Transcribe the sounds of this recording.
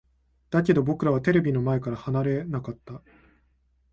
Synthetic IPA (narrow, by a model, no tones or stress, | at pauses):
d̪̥ak̬ʲe̞d̪o̞bo̞kɯ̟ɾaβ̞at̪e̞ɾe̞bʲino̞maekaɾahanaɾe̞nakat̪ːa